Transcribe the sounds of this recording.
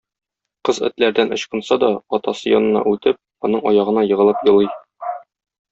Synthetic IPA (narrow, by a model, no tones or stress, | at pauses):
qɤzɘ̰̆t̪læɾd̪ænɤ̆ɕqɤ̆nsɑd̪ɒɒt̪ɑsɤjɒnɤ̆nɑ̰ʔʉt̪ɘp̚ | ɒnɤɴɒjɑʁɤ̆nɑjɤ̆ʁɤ̆lˠɤpjɤ̆lˠɤj